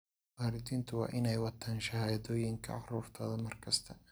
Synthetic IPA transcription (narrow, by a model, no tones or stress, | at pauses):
waːɾɪd̪iːnt̪ʰʊwɑ̰ːʔɪnɛjwɑt̪ʰaːnʃɐhaːjɐðɔːjɪŋkʰɐ̰ɑ̰χruːrt̪ʰɔːðɐmɐrkʰɐst̪ʰɐ